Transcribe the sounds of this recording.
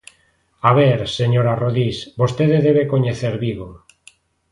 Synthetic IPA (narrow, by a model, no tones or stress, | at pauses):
aβeɾseɲoɾaroðisbost̪eðeðeβekoɲeθeɾβiɣo